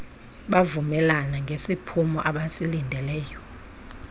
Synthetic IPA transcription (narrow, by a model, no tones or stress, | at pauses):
ɓavumɛlanaŋɡʱesipʰumɔʔaɓasilindʱɛlɛːjɔ